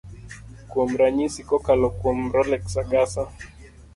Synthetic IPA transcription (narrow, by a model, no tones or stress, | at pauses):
kwɔm̩ɾaɲisikɔkalɔkwɔmɾɔlɛksaɡasa